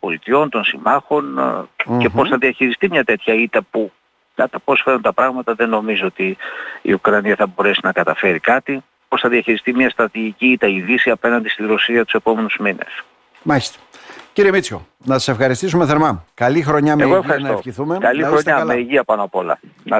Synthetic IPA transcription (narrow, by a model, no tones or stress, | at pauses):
po̞lit̪io̞nt̪o̞nsimɐxo̞nce̞po̞sθɐðiɐçiɾist̪imɲɐt̪e̞t̪çɐit̪ɐpu | kɐt̪ɐpo̞sfe̞ɾunt̪ɐpɾɐɣmɐt̪ɐðe̞no̞mizoo̞t̪iḭukɾɐniɐθɐbo̞ɾe̞sinɐkɐt̪ɐfe̞ɾikɐt̪i | po̞sθɐðiɐçiɾist̪imɲɐst̪ɾɐt̪iʝiciit̪ɐiðisiɐpe̞nɐnd̪ist̪iɾosiɐt̪u̥se̞po̞me̞nuzminḛs | maçi̥st̪e̥ciɾiemit͡sço | nɐtɐ̥se̞fxɐɾist̪isumeθeɾmɐkɐlixɾoɲɐmeɣoefxɐɾist̪oçiθumekɐlixɾoɲɐmeiʝiɐpɐnoɐpo̞lɐ̰nɐ